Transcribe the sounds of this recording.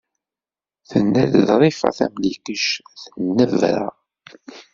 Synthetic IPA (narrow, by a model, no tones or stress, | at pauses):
θənːælðɾˤifɑ̰θæ̰mlikəʃθənːəvɾa̰